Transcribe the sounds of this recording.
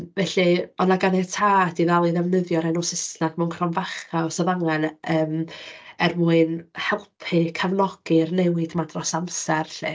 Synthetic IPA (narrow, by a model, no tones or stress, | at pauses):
vɛɬiɔnaɡanɛtʰaːdiðalˠiðɛvnəðjɔɾɛnɔsɪsnad̥mɛwnkʰrɔnvaχaɔsɔðaŋanəːmɛrmuːɨnhɛlˠpʰɨkʰavnɔɡ̥ɨrnɛwɨdmadrɔsamsɛrɬɨ